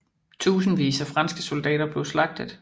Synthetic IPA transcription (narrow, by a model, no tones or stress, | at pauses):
t͡sʰṵːsn̩ʋḭːsæfʁɑ̈nsɡ̥əso̝ld̥ɛ̰ːɾɐb̥le̝ʊslɑ̈ɡ̥̚d̥əðˠ